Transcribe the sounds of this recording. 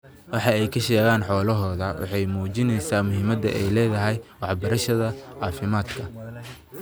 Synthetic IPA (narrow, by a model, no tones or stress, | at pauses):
wɑħɑɛjkʰɐʃɛːɣaːnħɔːlɐɦɔːðɐwɑ̰ħɑjmuːt͡ʃɪnɛjsaːmʊɦɪmɐd̪ɐʔɛjlɛːðɐɦɛjwɑħbɐɾɐʃɐðɐʕɑːfɪmaːd̪kʰɐ